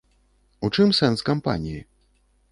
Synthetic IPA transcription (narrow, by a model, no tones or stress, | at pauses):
ut͡ʂɨmsɛnskampa̰nʲiji